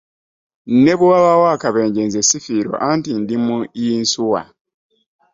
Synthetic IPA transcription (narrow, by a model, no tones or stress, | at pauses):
neβuwaβawaːkaβeːɲɟenzesifiːɾo̞̰ʔantindimujiːnsuwa̰